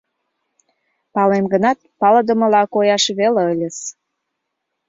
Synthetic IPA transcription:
pɑlemɡənɑt̪̚pɑləd̪ə̆mə̆lɑkojɑʃβeleəlʲəs

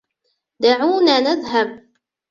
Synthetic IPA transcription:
d̪aʕunænæðɦæb

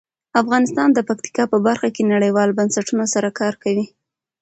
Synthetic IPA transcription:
afɣɑnɪst̪ɑnd̪əpak̚t̪i̥kɑpəbaɾxakenaɽəjwɑlbansaʈunasaɾakɑɾkawi

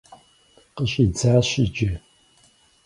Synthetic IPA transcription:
qəɕʼid͡zaːɕɪd͡ʒe

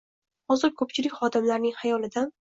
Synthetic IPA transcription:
hɒzɪɾkʰɵp̚t͡ʃʰɪlɪkʲχɒd̪ɪmlaɾnɪŋhajɒlɪd̪an

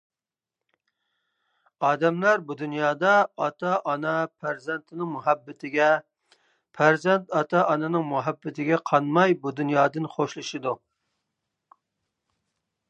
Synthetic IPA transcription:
ɑːd̪ɛmlæɾbud̪unjɑːd̪ɑɑt̪ʰɑʔɑnɑpʰæɾzɛnt̪ʰɪnɪŋmuɦɛbːɪt̪ʰɪɡʲɛ | pʰæɾzɛnt̪ɑt̪ʰɑʔɑnɨnɨŋmuɦɛbːɪt̪ʰɪɡʲɛqʰɑnmɑjbud̪unjɑːd̪ɨnχoʃlˠɨʃid̪u

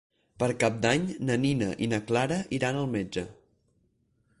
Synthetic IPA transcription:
pəɾkap̚d̪aɲnəninəʔinəklaɾəʔiɾanəlˠmed͡ʒə

